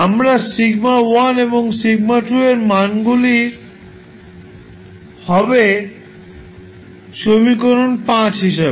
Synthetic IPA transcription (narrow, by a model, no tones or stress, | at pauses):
amɾasiɡmawaneboŋsiɡmaʈueɾmanɡuli | hɔbe | ʃomikoɾonpãt͡ɕɦiʃabe